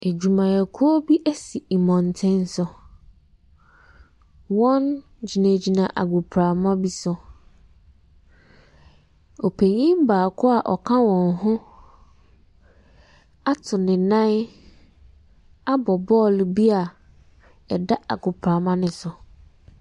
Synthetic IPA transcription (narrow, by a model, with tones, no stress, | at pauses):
e˨d͡ʑu˨mã˨æ˨kʰu˦o˦bi˦ʔæ˦si˨i˨mɔ̃˨n˨tʰɪ̃˦n˦sʊ˨ | wɔ̃˦n | d͡ʑi˨nã˨d͡ʑi˨nã˨ʔa̰˨ɡʊ˨pʰɾa˨mã˦bi˦sʊ˨ | ɔ˨pʰe˨ɲĩ˦m˦baː˨kʰʊ˦a˨ʔɔ˨kʰã˦wɔ̃˨nɦʊ̃˦ | a˦tʰʊ˨nɪ̃˨nã˦n˦ | a˦bɔ˨bɔ˦˨lbi˦a˨ | ɛ˨da˦ʔa̰˨ɡʊ˨pʰɾa˨mã˦nɪ̃˨sʊ˨